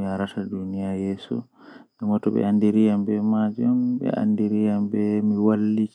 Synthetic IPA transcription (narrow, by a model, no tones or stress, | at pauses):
jaɾatadunijajɛːsṵ | ʔɛmɔtɔɓɛ̰andiɾijambɛmad͡ʒambɛ̰a̰ndiɾijambɛmiwalːik